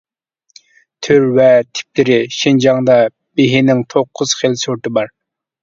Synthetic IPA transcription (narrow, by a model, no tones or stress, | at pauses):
t̪ʰøɾvɛt̪ʰɪ̥p̚lɪɾɪʃind͡ʒɑŋd̪ɑ | b̥eɦɪnɪŋt̪ʰoqʰːʊz̥χelsoɾt̪ɨbɑɾ